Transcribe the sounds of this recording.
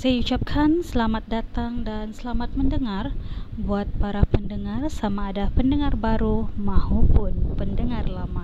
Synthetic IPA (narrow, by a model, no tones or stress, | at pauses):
sajaut͡ʃap̚kʰansəlamat̪̚dat̪aŋdansəlamat̪̚məndəŋarbuat̪̚paɾapəndəŋarsamaːdapəndəŋarbaɾumãɦupʊnpəndəŋarlama